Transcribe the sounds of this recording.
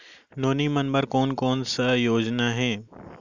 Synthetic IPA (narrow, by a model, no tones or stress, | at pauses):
noːnimɐnbəɾkɔːnkɔːnsɐjoːd͡ʒnaɦɛː